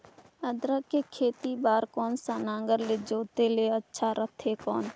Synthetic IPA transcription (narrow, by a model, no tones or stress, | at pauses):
əd̪ɾakekʰeːt̪ibaːɾkɔːnsaːnãːŋɡəɾled͡ʒoːt̪eleətːʃʰaɾət̪ʰɦekɔːn